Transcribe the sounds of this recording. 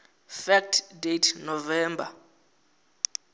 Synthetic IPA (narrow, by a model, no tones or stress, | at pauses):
fɛk̚tʰdetʰnɔvɛːmba̰